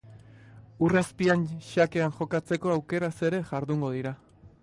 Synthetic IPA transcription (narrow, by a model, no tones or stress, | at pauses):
uraspianʃake̞aŋʝo̞kat͡se̞ko̞awke̞ɾase̞ɾe̞ʝaɾðuŋɡo̞ðiɾa